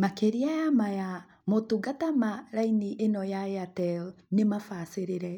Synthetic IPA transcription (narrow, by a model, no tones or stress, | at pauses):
makeɾiajamaja | motuɡatamaɾainiʔenɔjaeatɛl | nemafaseɾeɾɛ